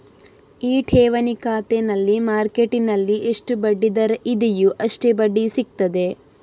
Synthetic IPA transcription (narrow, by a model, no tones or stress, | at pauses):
iːʈʰɛːʋɐnikaːt̪enɐlːimaːɾkeʈinɐlːiʔeʂʈubɐɖːid̪ɐɾɐid̪ijuʔɐʂʈebɐɖːisik̚t̪ɐd̪e̞